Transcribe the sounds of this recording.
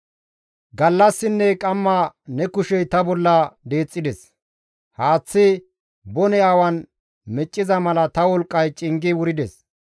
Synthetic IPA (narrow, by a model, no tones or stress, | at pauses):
ɡɐlːɐsːɪnːɛkʼɐmːɐnɛkʊʃɛjt̪ɐbɔlːɐd̪e̞ːt͡sʼːɪd̪ɛs | haːt͡sːɪ | bɔnɛaːwɐn | mɛt͡ʃʼːɪzɐmɐlɐt̪ɐwɔlkʼːɐjt͡ʃʼɪŋɡɪwʊɾɪd̪ɛs